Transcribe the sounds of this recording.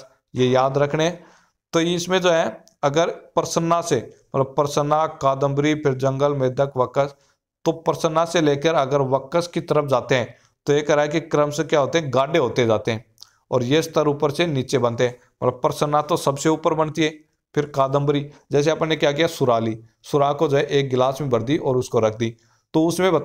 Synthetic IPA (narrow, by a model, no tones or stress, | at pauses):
jejaːd̪ɾəkʰneɦɛ̃ | t̪oiɪsmẽd͡ʒoːɦɛ̃ | ɐɡəɾpəɾsənːasemɐt̪ləb̚pəɾsənːakaːd̪ə̃mbɾipʰɪɾd͡ʒɐ̃ŋɡəlmeːd̪əkʋəkəs | t̪opəɾsənːaseleːkəɾɐɡəɾʋəkəskit̪əɾəp̚ʰd͡ʒaːt̪eɦɛ̃ː | t̪oekɐɾaːekikɾəmsekjaɦoːt̪eɦɛ̃ɡaːɖeɦoːt̪eɛ̃d͡ʒaːt̪eɦɛ̃ː | ɔ̰ːɾjest̪əɾuːpəɾseniːt͡ʃebə̃nt̪eɦɛ̃ː | mɐt̪ləb̚pəɾsənːat̪osɐbseuːpəɾbənt̪iɦɛː | pʰɪɾkaːd̪ə̃mbɾid͡ʒɛːs̬eɐpnekjak̬ijasʊɾaːli | sʊɾaːkod͡ʒɦɛʔeːk̚ɡɪlaːsmẽbəɾd̪iʔɔːɾʊskoɾək̚ʰd̪iː | t̪oʊsmẽbɐt̪